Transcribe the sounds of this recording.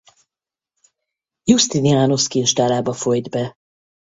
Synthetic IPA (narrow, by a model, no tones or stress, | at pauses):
just̪iniaːnoskinʃt̪aːlaːbɒfojd̪bɛ